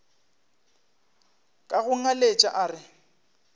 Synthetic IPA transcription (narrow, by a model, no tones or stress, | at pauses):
kʼaɣʊŋ̩alet͡ʃʼaʔaːrɪ